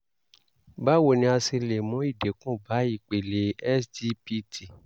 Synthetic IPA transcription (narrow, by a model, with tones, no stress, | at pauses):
ba˦wo˨nĩ˧˦a˧si˧le˨mũ˨˦i˦˨de˨kũ˦˨ba˨˦i˦˨k͡pe˨le˨˦ɛ˦sdi˧pi˦ti˨